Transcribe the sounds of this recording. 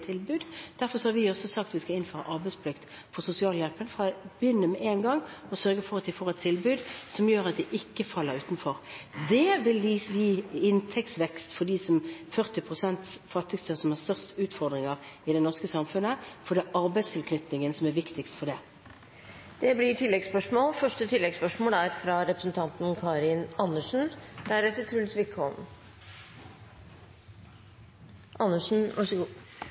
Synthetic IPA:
t̪ʰɪlbʉːd̪d̪̥æɾfɔsɔhɑɾʋɪɔsɔsɑkt̪ʋɪskɑɪnføːɾəɑ̰ʔɑɾbɛɪspʰlɪkt̪fɔʁsʊsɪɑːljɛlpənfʁɑb̥jʏnːəmɛʔenɡɑŋːɔsœɾɡəfɔɾɑt̪ʰːɪfɔʁɛt̪ʰɪlbʉːd̪sɔmjøːɾɑt̪̚d̪ɛʔɪkːəfɑlːəɾʉːt̪nfɔʁd̪ɛʋɪljiʋiːɪnt̪ʰɛktsʋɛkst̪fɔd̪iːsɔmfœʁt̪ɪpʰʁʊsɛnt̪sfɑt̪ʰːɪɡst̪ʰøsɔmhɑʁst̪œʁst̪ʉːt̪fɔʁd̪ʁɪŋəʁɪd̪ɛnɔʁskəsɑmfʉnəfɔɖ̪ɛʔɑʁbæɪst̪ʰɪlkʰnʏt̪nɪŋənsɔmæʋɪkt̪ɪkst̪fɔɖɛ | d̪̥ɛblɪʈʰɪlːɛɡspœʂmoːlfœʂʈət̪ʰɪlːɛɡspœʂmoːlæɾfɾɑɾɛpɾəsn̩t̪ʰɑnt̪n̩kʰɑɾɪnɑnːəʂn̩d̪̥æɾɛt̪ːət̪ʰɾʉːlsʋɪkɔm | ʔɑnːəʂn̩ʋɑʂəɡu

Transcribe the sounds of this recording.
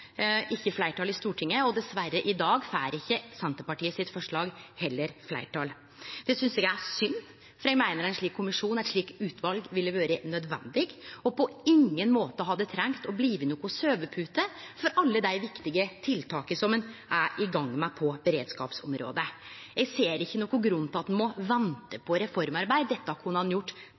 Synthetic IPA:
ʔɪçːəflæɪʈɑːlɪst̪uːʈʰɪŋːəɔd̪ɛsʋæɾːəʔɪd̪ɑːɡfæːɾɪçːəsɛnt̪əpɑʈiːəsɪt̪fɔʂɭɑːɡhɛlːəɾflæ̰ɪʈʰɑːl | d̪̥ɛsʏnsɛɡəæsʏnː | fɔɾɛɡmæɪnəɾæɪnʂɭiːkʰːʊmɪʂuːnæt̪ʂɭiːkʉːt̪ʰʋɑlɡʋɪlːəʋøːɾənœd̪ʋɛ̰nd̪ɪɡɔpɔɪŋːənmoːt̪əɔɦɑd̪ːət̪ʰɾɛŋt̪ɔbliːʋənoːkʊsøːʋəpʰʉːt̪əfɔɾʔɑlːəd̪æɪʋɪkt̪ɪɡət̪ʰɪlt̪ʰɑːkəsɔmənʔæɾɪɡɑŋːmɛpʰɔbəɾeːd̪skɑ̰ːpsɔ̰mɾo̰ːd̪əɛɡseːɾɪçːənɔːkːʊɡɾʉnt̪ɑt̪ːnmɔʋɛnt̪əpʰɔɾɛfɔɾmɑɾbæɪd̪d̪ɛt̪ːɑkʰunɑnjʊʈː

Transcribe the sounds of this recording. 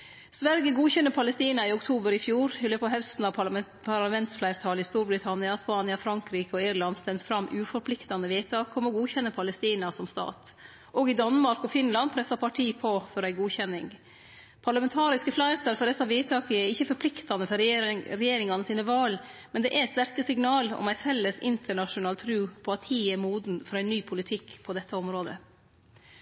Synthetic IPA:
sʋæɾɡəɡuːçɛnːəɾpʰɑləst̪iːnɑɪʊkt̪ʰuːbəɾɪfjuːɾhɪlːəpʰɔɦœʉst̪n̩ɑ | pʰɑɾlɑmɛnt̪sflæɪɾt̪ʰɑːləɪst̪uːɾbɾɪt̪ʰɑnɪɑspɑːnɪɑfɾɑŋkɾiːkəɔɪɾlɑnd̪st̪ɛmt̪fɾɑmːʔʉːfɔɾpʰlɪkt̪ɑnːəʋiːt̪ʰɑːkʰɔmɔɡuːçɛnːəpʰɑləst̪iːnɑsɔmst̪ɑ̰ːt̪ | ʔɔɡɪd̪ɑnːmɑɾkɔfɪnlɑnpʰɾɛsɑpʰɑʈʰiːpʰɔfɔɾæɪɡuːçɛnːɪŋ | pʰɑɾɭɑmɛnt̪ʰɑːɾɪskəflɑɪt̪ɑɾfɔɾɛst̪ɑʋiːt̪ʰɑːkəɛɾɪçːəfɔɾpʰlɪkt̪ɑnəfɔɾɾɛjeːɾɪŋɑnəsiːnəʋɑːlmɛnd̪ɛʔɛst̪æɾkəsɪŋnɑːlɔ̰mæɪfɛlːəsɪ̰nt̪ʰəɳɑʂʊnɑːlt̪ʰɾʉːpʰɔɑt̪hiːɛmuːd̪n̩fɔɾæɪnːyːpʰʊlɪt̪ʰɪkːpʰɔd̪ɛt̪ʰːəɔmɾoːd̪ə̰

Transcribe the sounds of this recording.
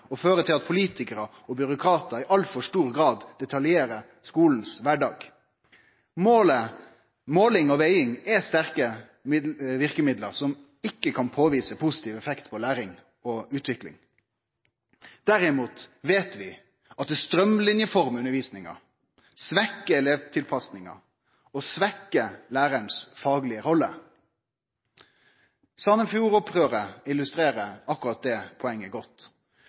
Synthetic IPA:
ɔføːɾət̪ʰɪlɑt̪pʰʊliːt̪ʰɪkəɾə | ɔbʏɾʊkʰɾɑːt̪əɪʔɑlfɔʂʈuːɾɡɾɑːd̪d̪ɛt̪ʰɑljeːɾə | skuːln̩sʋæɖɑːɡ | moːlə | moːlɪŋɔʋeʏɪŋɛst̪æʁkə | ʋɪʁkəmɪd̪ləɾsɔm | ɪkːəkʰɑnpʰoːʋiːsəpʰʊsɪ̥t̪ʰiːʋɛfɛkt̪pʰɔlæːɾɪŋ | ɔʉːt̪ʋɪklɪ̰ŋ | d̪̥æɾɪmuːt̪ʋeːt̪ʋɪ | ɑt̪̚d̪ɛst̪ɾœmlɪnjəfɔʁmʉnəɾʋiːsnɪŋə̰ | sʋɛkːəɛleːʋt̪ʰɪlpʰɑsnɪŋə̰ | ɔsʋɛkːəlæːɾənsfɑːɡlɪəɾɔlːə | sɑnəfjuːɾɔpʁøːʁəɪlʉst̪ɾeːʁəɑkʊʁɑt̪̚d̪ɛːpʰɔɛŋːəɡɔt̪ː

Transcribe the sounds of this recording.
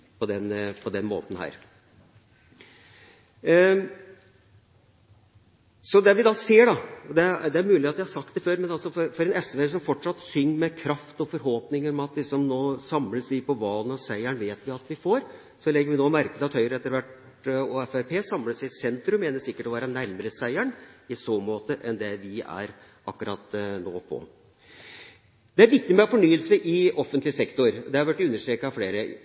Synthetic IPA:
pʰɔd̪ɛnpʰɔd̪ɛnmo̰ːt̪n̩hæ̰ːɾ | sɔd̪ɛʋɪd̪ɑseːɖɑd̪ɛd̪ɛæɾmʉːlɪɑt̪ʋɪhɑɾsɑkt̪d̪ɛføːɾmɛnɑlsɔfɔɾfɔɾɛnɛsʋeːs̬ɔmfɔʈʂɑt̪ːsʏŋːmɛkʰɾɑft̪ɔfɔɾɦoːpnɪŋəɾɔmɑt̪̚d̪ɪsɔmnoːsɑmləsʋ̪ɪpʰɔʋɑːlənɑsæɪæɳʋeːt̪ʋɪɑt̪ʋɪfoːɾ | sɔlɛɡəɾʋɪnoːmæɾkəd̪ɑt̪hœʏɾəɛt̪ːəɾʋæʈ | oːɛfæpʰeːsɑmləsɪsɛnt̪ɾʉmːeːnəsɪkːəʈɔʋæːɾənæɾməɾəsæɪæɳɪsoːmoːt̪əʔɛnd̪ɛʋɪæ̰ɾ | ʔɑkːʉɾɑt̪no̰ːpʰɔ̰ | d̪̥ɛæɾʋɪk̚t̪ɪmɛɔfɔɳyːəlsəʔɪɔfːənt̪lɪsɛkt̪ʊɾd̪ɛɑɾʋæʈːʉnːəʂʈɾeːkːɑfleːɾə

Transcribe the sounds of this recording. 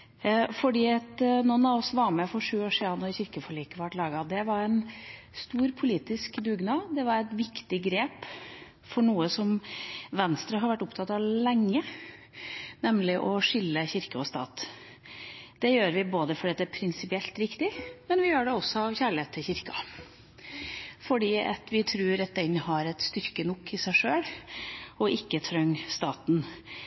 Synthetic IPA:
fɔɖiːɑt̪nɔnːɑʋɔsʋɑɾmɛfɔʂʉːoːʂiːɑnɔɾçɪɾkəfɔɭiːkəʋɑʈlɑːɡɑd̪ɛʋɑɾɛn | st̪uːɾpʰʊliːt̪ɪskd̪ʉːɡnɑːd̪ɛʋɑɾɛt̪ʋɪkt̪ɪɡɾeːp | fɔɳuːəsɔmʋɛnst̪ɾəɦɑɾʋæʈːʊpt̪ʰɑt̪ːɑʋlɛŋːə | nɛmlɪʔɔʂɪlːəçɪɾkəɔst̪ɑ̰ːt̪ | d̪̥ɛjøːɾʋɪboːd̪əfɔɖɛt̪ːəæɾpʰɾɪnsɪpɪɛlt̪ɾɪkt̪ɪmɛnʋɪjøːɖɛɔsːɔɑʋçæːɭɪheːt̪ʰɪçɪɾkɑ̰ | fɔɖiːɑ̰t̪ʋɪt̪ʰɾʉːɾɑt̪̚d̪ɛnhɑɾɛt̪st̪ʏɾkənɔkʰːɪsæɪʂøːɽ | ɔʔɪkːət̪ʰɾœŋːst̪ɑːt̪n

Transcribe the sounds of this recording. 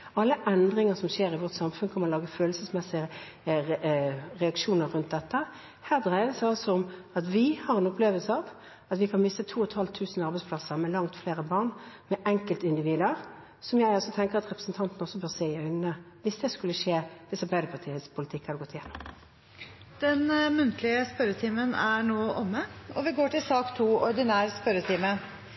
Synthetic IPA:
ɑlːəʔɛnd̪ʁɪŋəsɔmʃeːɾɪʋɔʁt̪sɑmfʉnkʰɔməɾɔlɑːɡəføːlsəsmɛsɪə | ʁɛɑkʂuːnəɾʉnt̪̚d̪ɛt̪ːə | hæːʁd̪ʁæɪd̪əsɑlsɔɔmɑt̪ʋɪhɑʁɛnɔpleːʋəlsəɑʋ | ɑt̪ʋɪkʰɑnmɪst̪ət̪ʰuːɔt̪hɑlt̪ʰʉːsn̩ɑʁbɛɪsplɑsəʁmɛlɑŋt̪fleːʁəbɑʁnmɛʔɛŋkəlt̪ɪnd̪ɪʋiːd̪əʁ | sɔmjæɪɔsɔt̪ʰɛŋkəʁɑt̪ʁɛpʁə̥sn̩t̪ʰɑnt̪n̩ɔsːɔbøːɾseːɪœʏnnə | ʋɪsd̪ɛːskʉlːəʂeːd̪̥ɪsɑɾbæɪd̪əpʰɑt̪ʰiːət̪spʰʊlɪt̪ʰɪkːhɑɾd̪ɛɡɔt̪ːɪjɛnːɔm | d̪̥ɛnmʉnt̪ʰlɪəspœɾət̪ʰiːmənæɳoːʔɔmːəɔʋɪɡoːʈɪlsɑːkt̪ʰuːɔɾɖ̪ɪnæːɾspœɾət̪ʰiːmə

